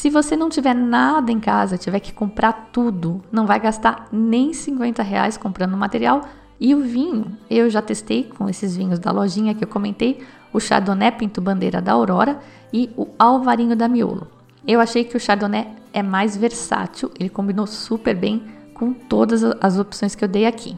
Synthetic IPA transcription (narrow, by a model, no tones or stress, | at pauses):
sɪvosenɐ̃w̃t͡ʃivɛɾnad̪ɐẽkazɐt͡ʃivɛkɪ̥kõmpɾaɾt̪ud̪ʊnɐ̃w̃vajɡast̪aɾnẽj̃sĩŋkwẽnt̪ɐɦea̰jskõmpɾɐ̃nd̪ʊmat̪eɾiaw | ɪʊvĩɲʊewʒat̪est̪ejkʰõesɪzvĩɲʊzd̪ɐ̰lɔʒĩɲɐkɪewkomẽnt̪ej | ʊʃa̰ɾd̪onɛpĩnt̪ʊbɐ̃nd̪ḛjɾɐ̰d̪ɐowɾɔɾɐ | ɪʊawvaɾĩɲʊd̪ɐmio̰lʊ̰ | ewaʃejkɪʊʃaɾd̪onɛɛmajzveɾsa̰t͡ʃiwelɪkõmbinosupeɾbẽj̃ | kõt̪od̪ɐzɐzopsõj̃skɪewd̪ejakʰi